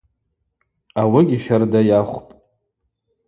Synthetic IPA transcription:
awɪɡʲiʃardajaχʷpʼ

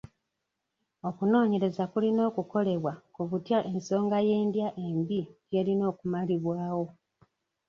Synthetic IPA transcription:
o̞kuno̞ːɲe̞ɾe̞zakulino̞ːkuko̞le̞βwakuβutjaʔe̞nso̞ːŋɡaje̞ːndjaʔe̞mbiɟje̞ːlino̞ːkumaliβwaːwo̞

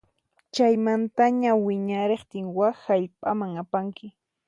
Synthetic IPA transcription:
t͡ʃajmant̪aɲawɪɲaɾeχt̪ɪŋwaxaʎpʼamaŋapaŋkɪ

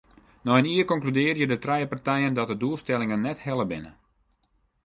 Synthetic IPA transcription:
nɔəniːərkɔŋklydɪːrjədətrɛjəpartɛjəndɔt̚dəduəlˠstɛlɪŋənːɛthɛlˠəbɪ̰nə̰

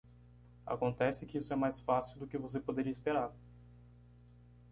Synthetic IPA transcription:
a̰kõnt̪ɛsɪkɪisʊɛmajsfasiuwd̪ʊkɪvos̬epod̪eɾiɐɪispeɾaɾ

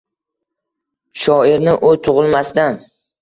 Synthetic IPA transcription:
ʃɒɪɾnɪʔʊt̪ʰʊʁɨlˠmast̪an

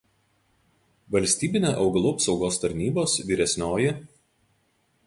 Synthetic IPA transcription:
ʋɐlʲsʲt̪ʲiːbʲɪnʲeːʔɒʊɡɐlˠuɐpsɒʊɡoːst̪ɐɾʲnʲiːboːsʋʲiːɾʲɛsʲnʲoːjɪ

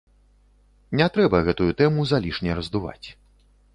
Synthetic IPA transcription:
nʲɛt̪ɾɛbɐɣɛt̪ujut̪ɛmuzalʲiʂnʲɛrɐzd̪uva̰t͡sʲ

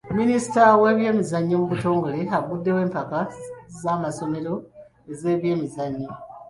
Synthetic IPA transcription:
minisi̥tawe̞ːβje̞ːmizaɲːomuβuto̞ːŋɡo̞le̞aɡudːe̞we̞ːmpakazaːmaso̞me̞ɾo̞ | eze̞ːβje̞ːmizaɲːi

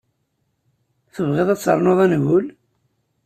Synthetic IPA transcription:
θəvʁeðˤæt͡sːə̰ɾˤnoðˤænɣʊl

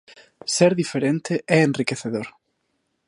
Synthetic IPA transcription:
seɾðifeɾent̪ɪʔɛenrikeθeðoɾ

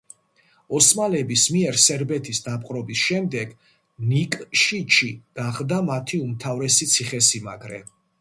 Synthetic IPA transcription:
ɔsmalɛbismiɛɾsɛɾbɛt̪ʰisd̪apʼqʼɾɔbisʃɛmd̪ɛɡ̥ | nikʼʃit͡ʃʰiɡ̥aχd̪amat̪ʰiumt̪ʰavɾɛsit̪sʰiχɛsima̰ɡɾɛ̰

